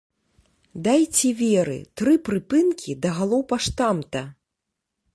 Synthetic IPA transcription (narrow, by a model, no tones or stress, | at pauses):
d̪ajt͡sʲɛvʲɛɾɨ̰t̪ɾɨpɾɨpɨnkʲʰid̪ɐɣalˠɔwpaʂt̪amt̪ɐ